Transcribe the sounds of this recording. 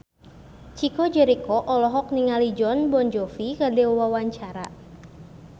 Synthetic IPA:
t͡ʃikɔd͡ʒɛɾikɔʔɔlɔɦɔk̚niŋalid͡ʒɔnbɔnd͡ʒɔfikadɛwawaɲt͡ʃaɾa̰

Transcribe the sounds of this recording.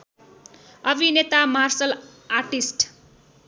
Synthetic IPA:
ʌbʱinet̪amarsʌl | arʈisʈ

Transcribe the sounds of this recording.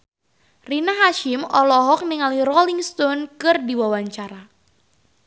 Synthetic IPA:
rinaɦaʃɪmɔlɔɦɔk̚niŋaliɾɔliŋst̪ɔnkɨrdiwawaɲt͡ʃaɾa

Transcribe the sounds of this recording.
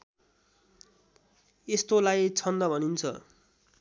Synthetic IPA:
est̪olajt͡sʰʌnd̪ʌbʱʌnint͡sʰʌ̰

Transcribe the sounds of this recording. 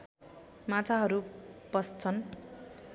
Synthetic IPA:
mat͡sʰaɦʌɾupʌst͡sʰʌn

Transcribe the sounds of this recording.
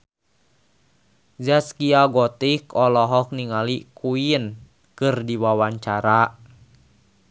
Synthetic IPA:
zaskiaɡɔt̪ikɔlɔɦɔk̚niŋalikuiən | kɨrdiwawaɲt͡ʃaɾa

